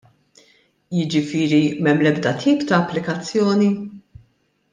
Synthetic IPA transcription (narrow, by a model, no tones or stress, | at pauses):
jɪd͡ʒɪfɪːɾimɛmːlɛbd̪ɐt̪ʰiːpt̪ɐːpːlɪkɐt͡sːjɔːni